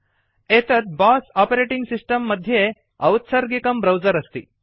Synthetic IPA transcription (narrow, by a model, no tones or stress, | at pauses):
eːt̪ɐt̪̚baːsaːpɐɾeːʈiŋɡsisʈɐmːɐd̪ʱje | ɐwt̪sɐɾɡikɐmbɾɐwd͡ʒɐɾɐst̪i